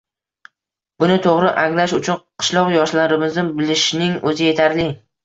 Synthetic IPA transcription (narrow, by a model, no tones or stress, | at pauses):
b̥ʊnɪt̪ʰoʁɾɪʔaŋlaʃʊt͡ʃʰʊnqʰɨ̥ʃlˠɒqjɒʃlanɾɪmɪznɪbɪlɪʃnɪŋɵzɪje̞t̪ʰaɾlɪ